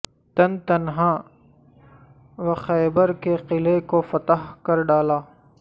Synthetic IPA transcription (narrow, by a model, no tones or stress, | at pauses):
t̪ɐnt̪ɐnɦãː | ʋɐxɛːbəɾkeqɪlekofɐt̪əɦkɐɾɖaːlaː